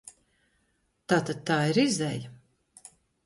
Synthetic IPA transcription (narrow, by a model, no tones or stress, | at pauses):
t̪aːt̪ad̪̥̚t̪aːiɾizɛj